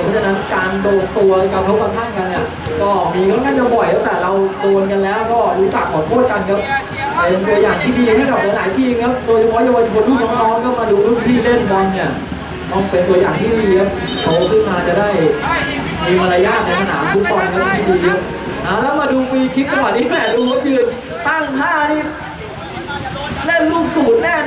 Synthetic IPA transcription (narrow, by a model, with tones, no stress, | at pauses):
pʰɔ˦˥t͡ɕʰna˦˥nkaː˧ndoː˧t̪u˧ɐla˧˥˩kʰa˦˥p̚kʰa˦˥wka˧t̪ʰa˥˩ŋka˧nʔi˧˩ɐ | kɔː˥˩miː˧kʰɔː˧˥nkʰaː˥˩t͡ɕa˧˩bɔ˨˩jka˦˥t̪ɛː˨˩ɾa˧wt̪oː˧nka˧nlɛː˦˥wkɔː˥˩ɾuː˦˥t͡ɕa˨˩k̚kʰːɔː˨˩t̪ʰo˥˩ət̪̚ka˧nkʰa˦˥p̚ | pe˧nt̪u˧ɐjaː˨˩ŋt̪ʰiː˥˩diː˧a˧˩t̪iː˥˩ɔː˨˩k̚a˧laː˨˩˦jt̪ʰiː˥˩ʔi˧ŋkʰa˦˥wd̪oː˧jt͡ɕʰa˧pʰɔ˦˥ja˧waː˧t͡ɕʰi˧˩o˧˦nt̪ʰuː˥˩nɔː˦˥ŋnɔː˦˥ŋkʰɔː˥˩maː˧duː˧lu˥˩ŋt̪ʰiː˥˩le˥˩nka˧nni˧˥˩ | t̪ɔ˧˩ŋpe˧nt̪u˧ɐjaː˨˩ŋt̪ʰiː˥˩diː˧kʰa˦˥p̚ | kʰa˧˩˦t̪ʰɯː˥˩maː˧˩t͡ɕa˨˩daː˥˩j | miː˧maː˧ɾaː˧jaː˥˩k̚ʰːɔː˨˩˦ŋsa˧na̰ː˩˦mt̪ʰu˦˥k̚t̪ɔː˧nka˧˦˥t̪ʰiː˥˩diː˧kʰa˦˥ | ʔa˧˩lɛː˦˥wmaː˧duː˧miː˧kʰi˦˥kːa˧wa˨˩niː˦˥ɛː˨˩duː˧lu˦˥jɯː˧˩n | t̪a˥˩ŋlaː˥˩˧ | naː˥˩jlu˥˩k̚suː˨˩t̪̚nɛː˥˩